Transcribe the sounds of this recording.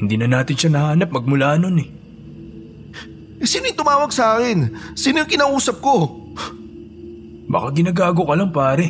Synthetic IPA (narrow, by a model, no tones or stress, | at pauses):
hɪnd̪iːnɐnaːt̪ɪnʃanɐhaːnɐp̚mɐɡ̚mʊlaːno̞nɛ | ʔɛsiːnojŋt̪ʊmaːwɐɡ̚sɐaːkɪnsiːnojʊŋkɪnaːʔuːsɐp̚ko̞ | ba̰kaɡɪnaɡaːɡokɐlaŋpaːɾɛ